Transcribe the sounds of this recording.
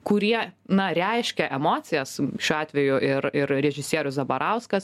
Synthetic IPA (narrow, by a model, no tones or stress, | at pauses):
kʊɾʲiɛnɐɾʲæɪʃʲkʲɛʔɛmoːt̪sʲɪjɛsʃʲuːɑːt̪ʲʋʲɛjʊʔɪɾɪɾɾʲɛʒʲɪsʲiɛɾʲʊszɐbɐɾʔɑʊskɐs